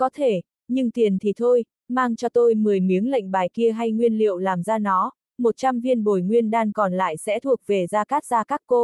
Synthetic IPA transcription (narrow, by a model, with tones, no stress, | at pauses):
kɔ˨˦t̪ʰe˧˩ | ɲɨ˧ŋt̪i˨˩ənt̪ʰi˨˩t̪ʰo˧j | maː˧ŋt͡ɕɔ˧t̪o˧jmɨ˨˩əjmi˨˦əŋla̰˧˨ŋ̟ɓaː˨˩jki˧əɦa˧jŋwi˧ənlḭ˧˨ə˨wlaː˨˩mzaː˧nɔ˨˦ | mo˨˩t̚t͡ɕa˧mvi˧ənɓo˨˩jŋwi˧ənɗaː˧ŋkɔ˨˩nla̰ː˧˨jsɛ̰˧˥t̪ʰu˨˩ək̚ve˨˩zaː˧kaː˦˥k̚zaː˧kaː˦˥kːo˧